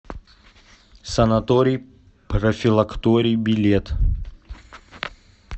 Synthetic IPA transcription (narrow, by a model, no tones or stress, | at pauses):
sɐnɐt̪oɾʲij | pɾəfʲɪlˠɐkt̪oɾʲijbʲɪlʲet̪